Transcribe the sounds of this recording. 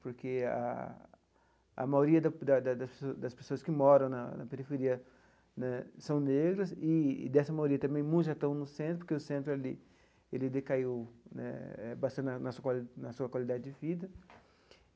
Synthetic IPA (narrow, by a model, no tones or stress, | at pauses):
poɾkea̰ | ɐ̰majoɾiɐd̪ɐd̪ɐd̪ɐd̪ɐspesd̪ɐspe̥soɐskɪmɔɾɐ̃w̃nɐnɐ̰peɾifeɾiɐ | nɛsɐ̃w̃neɡɾɐsɪ̰d̪ɛsɐmajoɾiɐt̪ɐ̃mẽj̃mũʒat̪ɐ̃w̃nʊsẽnt̪ɾʊpoɾkeʊsẽnt̪ɾʊelɪ | elɪd̪ekaiwnɛ̰ɛbast̪ɐ̃nd̪ʊnɐsuɐkalnɐsuɐkwalid̪ad͡ʒɪd͡ʒɪvid̪ɐ